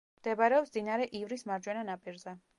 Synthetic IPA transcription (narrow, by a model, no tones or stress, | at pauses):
md̪̥ɛbaɾɛɔpsd̪inaɾɛʔivɾismaɾd͡ʒwɛnanapʼiɾzɛ